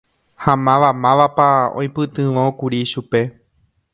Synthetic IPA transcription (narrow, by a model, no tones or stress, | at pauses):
hãmãʋamãʋapaõ̰j̃pɨt̪ɨ̃ʋõkuɾiʃupe̞